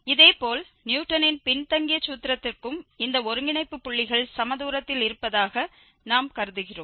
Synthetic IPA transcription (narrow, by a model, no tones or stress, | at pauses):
ɪðeːpoːl | njuːʈːɐnɪnpɪɳt̪ɐŋɡɪjɐt͡ʃːuːt̪ːɪɾɐt̪ːɪrkɯmɪnd̪ɐɔɾɯŋɡɪɳɐɪpːɯpːʊɭːɪɣɐɭsɐmɐðuːɾɐt̪ːɪlɪɾɯpːɐðaːɣɐ | naːmkɐɾɯðɯɣɪroːm